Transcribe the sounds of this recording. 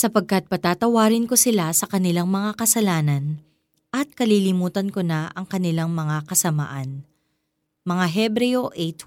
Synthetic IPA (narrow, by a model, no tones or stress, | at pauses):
sɐpɐɡ̚kɐt̪̚pɐt̪aːt̪ɐwaːɾɪnko̞sɪlasɐkɐnɪlaŋmɐŋakɐsɐlaːnɐn | ʔɐt̪̚kɐliːlɪmuːt̪ɐnkonaʔɐŋkɐnɪlaŋmɐŋakɐsɐma̰ʔɐn | mɐŋaɦɛbɾɛjoʔet̪